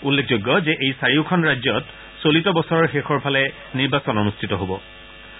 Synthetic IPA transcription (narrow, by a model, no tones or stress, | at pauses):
ulːekʰzoɡːɔzɛʔejsaɹiʊkʰɔnɹajd͡ʒɔt | solitɔbɔsɔɹɔɹxexɔɹpʰalɛ | niɹbasɔnɔnustʰitɔɦobɔ